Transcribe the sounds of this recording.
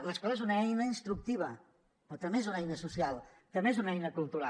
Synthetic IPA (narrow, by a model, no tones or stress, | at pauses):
ləskɔlezunəɛjnəinst̪ɾuk̚t̪iβ̞ə | ot̪ɾəmeezunɛjnəsusialˠ | t̪əmeezunɛjnəkulˠt̪uɾa